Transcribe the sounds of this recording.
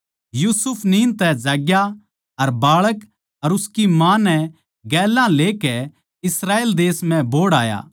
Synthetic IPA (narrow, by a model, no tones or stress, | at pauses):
juːsʊpʰniːnt̪ɛd͡ʒaːɡja | ɐɾbaːɭək | ɐɾʊskimãːnɛ | ɡɛːlãleːkɛ | ɪsɾaːeːld̪eːsmɛ̃boːɽaːja̰ː